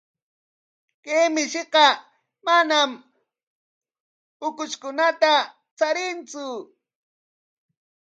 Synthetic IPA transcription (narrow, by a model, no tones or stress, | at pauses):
kemɪʃɪqɑ | manam | ʊkʊt͡ʃkʊnat̪a | t͡saɾɪnt͡sʊ